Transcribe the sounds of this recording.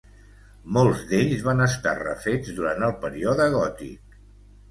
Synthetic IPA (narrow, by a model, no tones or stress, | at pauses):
molˠzd̪eʎzβanəst̪a̰rə̰fed͡zðuɾant̪əlˠpəɾioðəɣɔt̪ḭk̚